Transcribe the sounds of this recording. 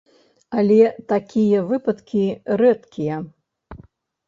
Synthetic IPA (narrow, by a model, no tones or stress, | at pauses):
ɐlʲɛt̪akʲijɐvɨpɐt̪kʲiɾɛt̪kʲʰijɐ